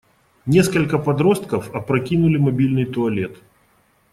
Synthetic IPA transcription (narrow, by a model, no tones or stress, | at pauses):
nʲeskəlʲkəpɐd̪ɾo̞st̪̚kəfɐpɾɐkʲinʊlʲɪmɐbʲilʲnɨjt̪ʊɐlʲet̪